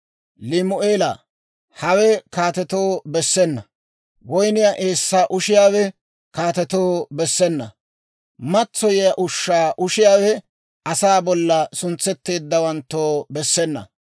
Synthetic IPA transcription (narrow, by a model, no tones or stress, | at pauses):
lɪmʊʔeːla̰ː | hɐwɛkaːt̪ɛt̪oːbɛsːɛnːɐ | wɔjnɪjaʔe̞ːsːaːʔʊʃɪjaːwɛ | kaːt̪ɛt̪oːbɛsːɛnːɐ̰ | mɐt͡sːɔjɪjaʔʊʃːaːʔʊʃɪjaːwɛ | ʔɐsaːbɔlːɐsʊnt͡sːɛt̪ːe̞ːd̪ːɐwɐnt̪ːoːbɛsːɛnːɐ̰